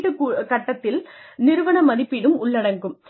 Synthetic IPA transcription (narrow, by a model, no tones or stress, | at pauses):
ʈːɯkːkɐʈːɐt̪ːɪlnɪɾɯʋɐɳɐmɐðɪpːɪnɯmʊɭːɐɽɐŋɡɯm